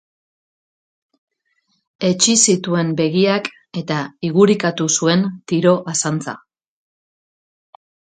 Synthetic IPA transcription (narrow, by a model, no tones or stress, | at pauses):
e̞t͡ʃisit̪ue̞mbe̞ɣiak | e̞t̪aiɣuɾikat̪usue̞nt̪iɾo̞ʔasant͡sa̰